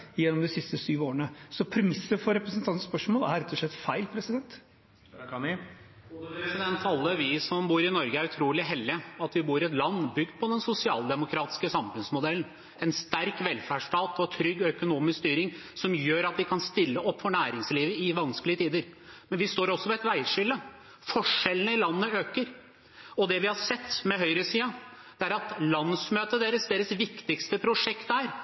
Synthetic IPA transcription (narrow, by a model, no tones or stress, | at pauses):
jɛnːɔmd̪ɪsɪst̪əsyːʋoːəɳəsɔpʰɾɛmɪsːəfɔɾɛpɾəsnt̪ʰɑnspœʂmoːlæɾɾɛt̪ːɔʂɭɛt̪ːfæɪlpʰɾɛsɪd̪ɛnt̪ | ud̪əpɾɛsɪd̪ɛnt̪ʰɑlːəʋɪsɔmbuːɾɪnɔɾɡəæɾʉt̪ʰɾuːlɪɦɛlːɪɑt̪ʋɪbuːɾɪɛt̪lɑnːbʏɡd̪̚pʰɔd̪ɛnsʊsɪɑːld̪ɛmʊkʰɾɑːt̪ɪ̥skəsɑmfʉnsmʊd̪ɛlːn̩ | ɛnst̪æɾkʋɛlfæʂʈɑːt̪ɔt̪ʰɾʏɡːœkʊnuːmɪskst̪yːɾɪŋsɔmjøːɾɑt̪ʋɪkʰɑnst̪ɪlːəʔɔpːfɔɳæːɾɪŋsliːʋəɪʋɑnskəlɪət̪ʰiːd̪əɾ | mɛnʋɪst̪oːɾɔsːɔʋɛt̪ʋæɪʂʏlːə | fɔʂɛlənəɪlɑnːəøːkəɾ | ɔd̪ɛʋɪhɑɾsɛt̪ːmɛɦœʏɾəsiːɑ | d̪̥ɛæɾɑt̪lɑnːəsmøːt̪əd̪eːɾəsd̪eːɾəsʋɪkt̪ɪkst̪əpʰɾʊʂɛkt̪æːɾ